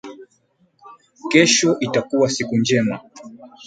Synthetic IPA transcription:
kɛʃɔʔitakuwasikund͡ʒɛma

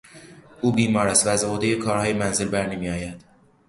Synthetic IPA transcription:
ʔuːbiːmɒːɾæst̪væːzod̪ejekʰɒːɾhɒːjemænzelbæɾnemijɒːjæd̪̥

